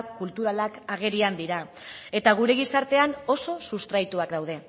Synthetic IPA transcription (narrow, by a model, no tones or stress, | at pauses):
kult̪uɾalakaɣ̞e̞ɾiand̪iɾa | e̞t̪aɣ̞uɾe̞ɣ̞isaɾt̪e̞ano̞so̞sust̪ɾajt̪uakd̪awð̞e̞